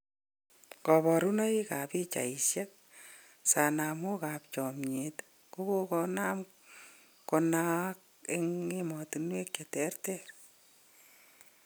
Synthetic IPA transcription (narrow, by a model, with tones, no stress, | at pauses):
kɔ˨bɔ˨ɾu˦na˦i˦ka˨pi˦t͡ʃa̰˨i˨ʃja˦k̚ | sa˨na˨mo˦ka˨pt͡ʃɔ˨mɲet | ko˦ko˦ko˦na˦m | ko˧na˦k̚ | eŋe˦mɔ˨tinwe˦k̚t͡ʃatɛ˦rtɛr